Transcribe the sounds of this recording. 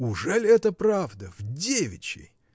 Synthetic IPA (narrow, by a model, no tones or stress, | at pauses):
ʊʐɛlʲɛt̪əpɾavd̪əvdʲevʲɪ̰t͡ɕɪ̰j